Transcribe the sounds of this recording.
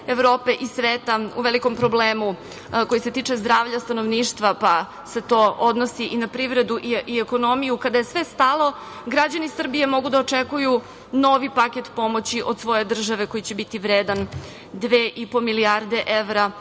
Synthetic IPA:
eʋɾoːpe̞ʔisʋeːt̪aṵʋeliko̞mpɾo̞bleːmu | ko̞jise̞t̪iːt͡ʂezd̪ɾaːʋʎast̪anoʋniːʃt̪ʋapa | se̞t̪o̞ʔod̪no̞siʔinapɾiʋɾe̞d̪uʔiieko̞no̞mijukad̪ajesʋe̞st̪alˠo̞ | ɡɾad͡ʑanisr̩bije̞mo̞ɡud̪aot͡ʂekuju | no̞ʋipaket̪po̞mo̞t͡ɕiʔo̞d̪sʋo̞je̞d̪r̩ʒaʋe̞ko̞jit͡ɕe̞bit̪iʋɾeːd̪an | d̪ʋeːʔipomiliaɾd̪e̞ʔeʋɾa

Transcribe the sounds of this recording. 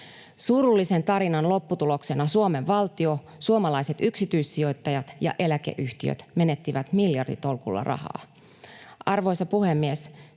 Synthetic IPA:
suɾulːise̞nt̪ɑɾinɑnlo̞pːut̪ulo̞kse̞nɑsuome̞ʋːɑlt̪io̞ | suomɑlɑjse̞t̪yksit̪yjsːio̞jt̪ːɑjɑt̪jɑ̰ʔe̞lækḛʔyçt̪iø̰t̪me̞ne̞t̪ːiʋæt̪miljɑrdḭt̪o̞lkulːɑ̰rʔɑ̰hɑ̰ː | ʔɑrʋo̞jsɑpuhe̞mːies

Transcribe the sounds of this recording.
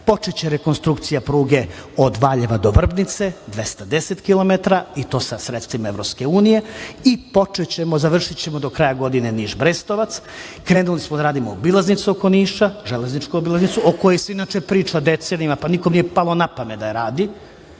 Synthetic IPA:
po̞t͡ʃet͡ɕeɾeko̞nst̪ɾukt̪sijapɾuːɡe̞od̪ʋaːʎeʋad̪o̞ʋr̩bnit̪se̞d̪ʋe̞st̪ad̪eset̪kilo̞met̪ɾait̪o̞ːsasɾet̪st̪ʋimaeʋvɾopske̞uːnije̞ipo̞t͡ʂet͡ɕe̞mo̞zaʋr̩ʂit͡ɕe̞mod̪o̞kɾaːjaɡo̞d̪ine̞niːʒbɾest̪o̞ʋat̪s | kɾe̞ːnulismod̪aɾaːd̪imoobilˠaznit̪suoko̞niːʃaʒeleznit͡ʃkuobilˠaznit̪suoko̞jeseinat͡ʃe̞pɾiːt͡ʃad̪et̪senimapanikomnijepalˠonapamed̪aɾaːd̪i

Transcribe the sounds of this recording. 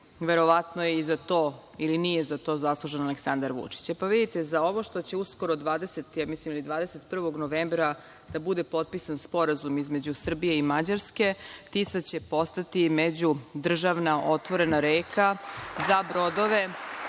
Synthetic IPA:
ʋe̞ɾo̞ʋat̪nojeizat̪o̞ | ilinije̞zat̪o̞ːzaslˠuʒenaleksand̪aɾʋṵt͡ʂi̥t͡ɕpaʋid̪it̪e̞zao̞ʋo̞ʃt̪o̞t͡ɕe̞usko̞ɾod̪ʋaːd̪e̞se̞t̪jamislimilid̪ʋaːd̪ese̞t̪pr̩ʋo̞ɡnoʋembɾa | d̪̥abud̪e̞po̞t̪̚pisanspo̞ɾazumizme̞d͡ʑusr̩bije̞imad͡ʑaɾske̞t̪isat͡ɕe̞po̞st̪at̪imed͡ʑud̪r̩ʒaʋnaʔo̞t̪ʋo̞ɾe̞naɾeːkʰazabɾo̞d̪o̞ʋe̞

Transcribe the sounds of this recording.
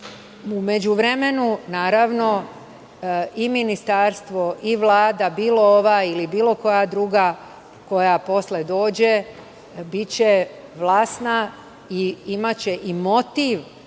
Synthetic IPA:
ume̞d͡ʑuʋɾeme̞nunaːɾaʋno̞ | iminist̪aɾst̪ʋo̞ʔiʋlˠaːd̪abiːlo̞oʋailibiːlˠo̞ko̞jad̪ɾuːɡa | ko̞japo̞sled̪o̞ːd͡ʑe | bit͡ɕe̞ʋlˠaːsna | iimat͡ɕe̞ʔimo̞t̪iʋ

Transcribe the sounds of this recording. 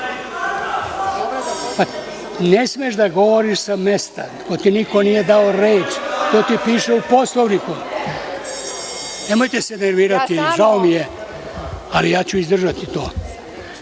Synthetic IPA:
pa | nesmieʒd̪aɡo̞ʋoɾiʃsamest̪a | ko̞t̪iniko̞nije̞d̪aoɾeːt͡ʃt̪oːt̪ipiːʃeupo̞sloʋniku | nemojt̪eseneɾʋiːɾat̪iʒaomije | alijaːt͡ɕuizd̪r̩ʒat̪it̪oː

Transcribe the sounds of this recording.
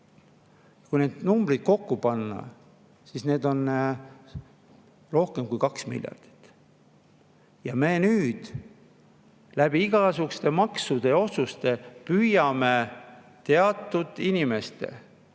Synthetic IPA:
jɑkujne̞ːd̪̥numbrid̪̥̚ko̞kːupɑnːɑ̰ | sisne̞ːd̪o̞n | ro̞hke̞mkujkɑksmḭljɑ̰rd̪̥i̥t̪ː | jɑme̞ːnyːd̪̥ | læb̥iiɡ̥ɑsukst̪e̞mɑksud̪e̞o̞sust̪e̞pyjɑme̞ | t̪e̞ɑt̪ːˑud̪̥inʲime̞st̪e̞̰

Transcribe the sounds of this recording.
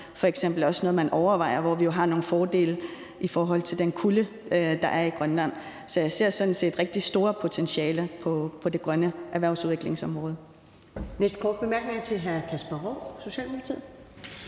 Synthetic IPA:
fɒ̽eɡ̥sem̰b̥l̩ɒ̽snɔ̽ːð̞̩ˠmænʔɒʊɐʋɑ̈ɪɐʋɒʋijo̝ɦɑ̈no̝ːn̩fɒːd̥e̝̰ːl | ʔifɒːɦɒ̽l̰t͡sʰe̝ld̥enkʰulə | ød̥ɑ̈ʔæɐiɡ̥ʁɶnlæn̰ | sɒjɑ̈ɪse̝ɐ̰sɒ̽d̥n̩se̝̰ːd̥ʁeɡ̥̚d̥isd̥o̝ːɐpʰo̝t͡sʰenɕɛːləpʰɒ̽pʰɒ̽d̥e̝ɡ̥ʁɶnəʔæɐʋæɐ̰ʊsuðˠʋeɡ̥le̝ŋsɒ̽mʁɔ̽ːð̞ˠə | nesd̥̚kʰɒ̰ːd̥̚b̥e̝mæɐɡ̥ne̝ŋɐt͡sʰe̝lɦæɐkʰæsb̥ɑʁɔso̝ɕɛ̰ːlmimukʰɑt͡sʰið̰ˠ

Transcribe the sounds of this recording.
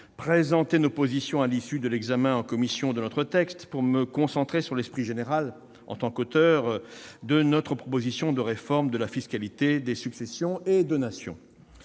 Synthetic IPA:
pχezɑ̃t̪enopozisjɔ̃alisyd̪əlɛɡzamɛ̃ɑ̃kɔmisjɔ̃d̪ənɔt̪χət̪ɛkst̪puʁməkɔ̃sɑ̃t̪χesyʁlɛspχiʒeneʁal | ɑ̰̃t̪ɑ̃kot̪œʁd̪ənɔt̪χəpχɔpozisjɔ̃d̪əʁefɔʁmd̪əlafiskalit̪ed̪esyksɛsjɔ̃ed̪onasjɔ̰̃

